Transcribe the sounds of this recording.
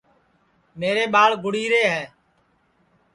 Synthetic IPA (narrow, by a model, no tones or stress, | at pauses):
meːɾeːɓaːɭɡʊɽiːɾeːɦɛː